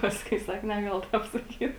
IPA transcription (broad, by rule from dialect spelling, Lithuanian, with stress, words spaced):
ˈpɑːskʊɪ ˈsɐk nʲɛˈɡɐlˠ ˈtɐp sɐˈkʲiːt